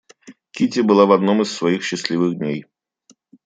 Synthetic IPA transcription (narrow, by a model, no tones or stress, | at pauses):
kʲitʲɪbɨlˠavɐd̪no̞mɨsːvɐixɕːɪsʲlʲivɨɣd̪ʲnʲej